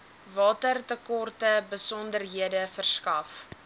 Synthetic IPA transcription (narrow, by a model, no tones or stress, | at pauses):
vɑːtərtəkɔrtəbəsɔndərɦiədəfərskɐf